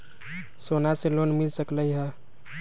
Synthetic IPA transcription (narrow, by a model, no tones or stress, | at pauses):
sonaselonmilsəkləjɦə